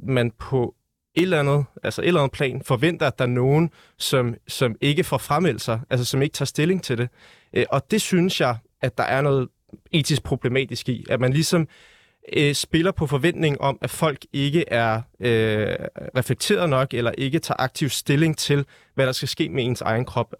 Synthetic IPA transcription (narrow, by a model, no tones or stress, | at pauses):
mænpʰɒ̽ | e̝d̥lænð̩ˠælsɐʔe̝d̥lænð̩ˠpʰlɛ̰ːnfɒ̽ʋen̰d̥ɐæd̥ɑ̈ɐno̝ːn̩ | sɒ̽msɒ̽me̝ɡ̥əfɒfʁamel̰sɑ̈ɪʔælsəsɒ̽me̝ɡ̥ət͡sʰɑ̈ːsd̥e̝le̝ŋt͡sʰe̝ld̥e̝ | ʔʔɒ̽d̥e̝synəsjɑ̈ɪ | æd̥ɑ̈ʔæɐnɔ̽ːð̞̩ˠ | e̝̰ːt͡sisɡ̥̚pʰʁo̝b̥le̝mɛ̰ːd̥isɡ̥iæmænlisɒ̽m | sb̥e̝lɐpʰɒ̽fɒ̽ʋen̰d̥ne̝ŋ̩ʔɒ̽mæfɒ̽l̰ɡ̥e̝ɡ̥əʔæɐø | ʁɛfleɡ̥t͡sʰe̝̰ːɐð̞̩ˠnɒ̽ɡ̥elɐʔe̝ɡ̥ət͡sʰɑ̈ːʔɑ̈ɡ̥̚t͡sʰiʊsd̥e̝le̝ŋt͡sʰe̝l | ʋæɾ̥ɑ̈sɡ̥æsɡ̥e̝̰ːmee̝nsɑ̈ɪn̩kʰʁɒ̽b̥